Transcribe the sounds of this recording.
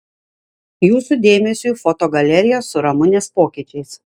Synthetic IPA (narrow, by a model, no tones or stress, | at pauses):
juːsud̪ʲeːmʲɛsʲuːˑfɔt̪oːɡɐlʲɛɾʲɪjosʊɾɐmʊnʲeːspoːkʲɪːˑt͡ʃʲɛɪs